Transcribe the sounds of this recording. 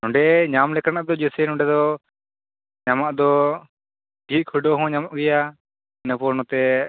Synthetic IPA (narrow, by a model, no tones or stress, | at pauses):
ɔ̃ɳɖɛɲamlɛkanaʔd̪ɔd͡ʒəsənɔ̃ɳɖɛd̪ɔ | ɲamaʔd̪ɔ | kit̪̚kʰəɖɔɦɔ̃ɲamaʔɡɛja | nəpɔɾnɔt̪ɛ